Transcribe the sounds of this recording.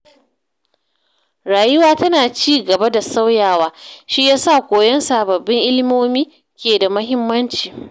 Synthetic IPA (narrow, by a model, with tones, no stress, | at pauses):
ɾaː˨jɪ˦waː˦tɐ˦naː˨t͡ʃiː˦˨ɡɐ˨ba˦da˨sa˦wjaː˦˨waː˨ʃi˦jaː˦sa˦˨kʷoː˨jɐ˦nsaː˨bɐ˨bːɪ˦ŋʔɪ˦lɪ˦moː˦miː˦ | kʲeː˨da˨mɐ˦ɦɪ˦mːɐ˦nt͡ʃiː˨